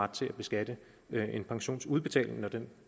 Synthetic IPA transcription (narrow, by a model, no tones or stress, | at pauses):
ɑ̈d̥̚t͡sʰe̝læb̥e̝sɡ̥æd̥ə | ʔe̝npʰɑ̈ŋɕo̝̰ːnsuð̞ˠb̥e̝t͡sʰɛ̰ːle̝ŋnɒd̥en